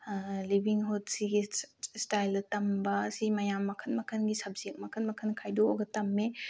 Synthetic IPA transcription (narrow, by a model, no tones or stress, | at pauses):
libʱiŋɦud̚siɡistajltɐmbɐsimɐjamːɐkʰɐnmɐkʰɐnɡisɐb̚zek̚mɐkʰɐnmɐkʰɐnkʰajdooɡɐtɐmːe